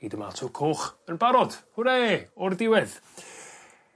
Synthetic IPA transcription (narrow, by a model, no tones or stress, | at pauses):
idəma̰ltʰukʰoːχənbaɾɔd̥hʊɾɛeɔrdɪwɛð